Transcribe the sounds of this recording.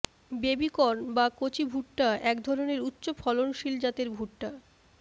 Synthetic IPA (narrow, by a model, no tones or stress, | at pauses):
bebikɔɾnbakot͡ɕibʱuʈʈaɛkd̪ʱɔɾoneɾutːɕofʰɔlonʃild͡ʑat̪eɾbʱuʈːa